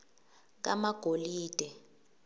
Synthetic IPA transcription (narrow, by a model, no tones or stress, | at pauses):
k̬amaɡ̥ʱoliːd̥ʱɛ